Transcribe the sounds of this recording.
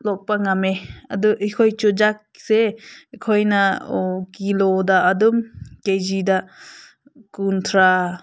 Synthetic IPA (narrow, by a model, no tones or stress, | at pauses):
lɔk̚paŋameɐduʔikʰojt͡ʃud͡ʒak̚sekʰojnakilodaʔːdumkejzida | kuntʰɾa